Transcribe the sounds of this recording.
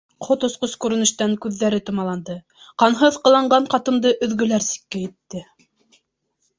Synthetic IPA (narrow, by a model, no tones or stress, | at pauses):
qʰot̪ŏsqoskʉɾɘ̆nɘ̆ʃt̪æŋkʉðːæɾɘt̪ŏmɑlˠɑnd̪ɤ | qɑnɦɤðqɤ̆lˠɑɴɢɑɴqɑt̪ɤ̆md̪ɤʔɵ̆ðɡɵ̆læɾsi̥kːæjĭt̪ːɘ